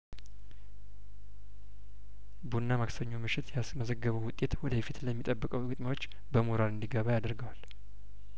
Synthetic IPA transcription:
bunːamaksəɲːomɨʃɪt̪j | məzəɡːəβəwwʊt̪ʼe̞t̪wɔd̪əfit̪ləmːit̪ʼəbːəkʼəwɡɨt̪ʼmawo̞t͡ʃː | bəmoɾalɨnd̪iɡəβajad̪əɾɡəwal

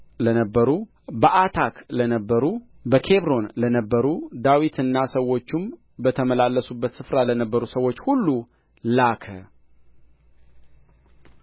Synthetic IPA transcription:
lənəbːəɾu | bəʔat̪ʰaklənəbːəɾu | bəkʰe̞βɾo̞nlənəbːəɾud̪awit̪ʰɨnːasəwːo̞t͡ʃːum | bət̪ʰəməlalːəsubːət̪sɨfɾalənəbːəɾusəwːo̞t͡ʃːhulːu | lakʰə̰

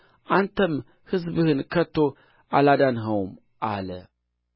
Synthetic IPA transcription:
ʔant̪ʰɐm | hɨzbɨhɨnkʰɐt̪ʰːo | alad̪anɦɐwm | ʔalə

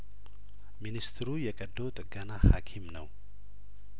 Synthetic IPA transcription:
minist̪ʰɾujɛkʼəd̪ːot̪ʼɨɡənahakʰimnəw

